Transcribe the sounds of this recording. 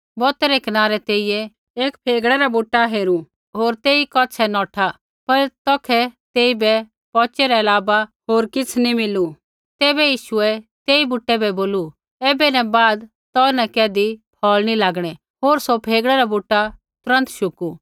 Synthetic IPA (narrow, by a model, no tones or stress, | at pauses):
bɔːt̪ɛɾɛkɐnaːɾɛt̪eːijɛ | eːkpʰeːɡɽɛɾabuʈːaɦeːɾu | ɦoːɾt̪eːikɔt͡ʃʰɛnɔːʈʰa | pɐɾt̪ɔkʰɛt̪eːibɛ | pɔːt͡ʃɛɾɛɐlaːbaɦoːɾkɪt͡sʰnimɪlu | t̪ɛːbɛjiːʃʊɛt̪eːibʊʈːɛbɛboːlu | ɛːbɛnɛbaːd̪ | t̪ɔːnɛkɛːd̪ipʰɔːlnilaːɡɽ̃ɛ | ɦoːɾsopʰeːɡɽɛɾabuʈːa | t̪ʊɾə̃nt̪ʃʊku